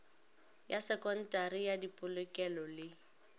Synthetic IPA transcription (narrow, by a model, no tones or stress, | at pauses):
jasɛkʼɔn̩tʼarijadipʼʊlʊkʼɛlɔlɪ